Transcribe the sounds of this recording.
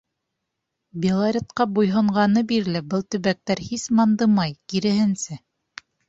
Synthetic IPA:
bʲelˠaɾʲet̪qɑbujɦŏɴʁɑnɤbiɾlɘbɤlˠt̪ɵ̆βæk̚t̪æɾhismɑnd̪ɤmɑjkiɾɘ̆hɘ̆nsɘ

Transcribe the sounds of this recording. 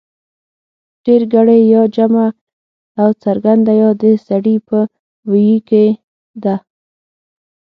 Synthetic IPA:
ɖ̥eɾɡaɽajjɑd͡ʒamaː | wt͡saɾɡand̪ajɑd̪əsaɽipə | wijike | d̪a

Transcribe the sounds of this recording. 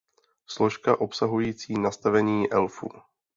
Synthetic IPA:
slo̞ʃkaʔo̞psaɦujiːt͡siːnast̪avɛɲiːʔɛlfṵː

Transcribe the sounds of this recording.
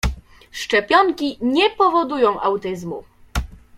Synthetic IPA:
ʂt͡ʂɛpʲjɔŋkʲiɲɛpɔvɔd̪ujɔ̃w̃ʔawt̪ɘzmu

